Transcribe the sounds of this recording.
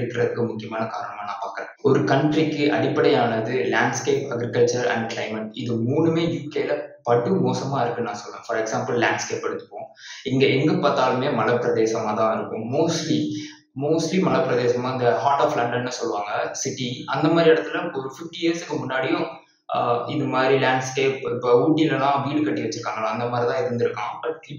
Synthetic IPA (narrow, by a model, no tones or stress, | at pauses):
ɽɯkːɪɾɐðɯkːɯmʊkːɪjɐmaːnɐka̰ːɾɐɳɐmaːnãːpaːɾkɪɾẽːɔɾɯkɐɳʈɾikːɯʔɐ̰ɽɪpːɐɽɐjaːnɐðɯlaːɳɖskeːpɐɡɾɪkɐlt͡ʃɐɾɐ̰ɳɖklɐɪmɐʈɪðɯmuːɳɯmeːjuːkeːlɐpɐɽɯmoːsɐmaːɪɾɯkːɯnãːsɔlʋẽːfɐɾɛksaːmpɐlːaːɳɖskeːpːɐɽɯt̪ːɯ̥pːõː | ɪŋɡɐɛŋɡɯpɐt̪ːaːlɯmeːmɐlɐpːɯɾɐðeːsɐmaːt̪ãːɪɾɯkːʊ̃moːsʈli | moːsʈlimɐlɐpːɪɾɐðeːsɐmaːɪnd̪ɐhaːɾʈaːflɐɳɖɐnːɯsɔlːɯʋaːŋɡɐsɪʈːiɐnd̪ɐmaːd̪ɾiɛɽɐt̪ːɯlɐpːɔɾɯfɪfʈijeːɾsɯkːɯmʊnːaːɽɪjʊ̃ | ɪðɐmaːd̪ɾilaːɳɖskeːppːuːʈːijɪlɐlãːʋiːɽɯkɐʈːiʋɐt͡ʃːɯɾɯkːaːŋɡɐlãːɐnd̪ɐmaːɾit̪ãːɪɾɯnd̪ɪɾɯkːãːpɐʈː